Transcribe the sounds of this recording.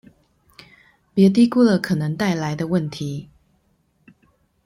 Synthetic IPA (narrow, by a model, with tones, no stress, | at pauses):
pjɛ˧˥t̪̬i˥ku˥˧lə˨kʰɤ˨˩nə˧˦ŋt̪a˥˩ɪla˧˦ɪd̪ə˧wə˥˩nt̪ʰi˨˦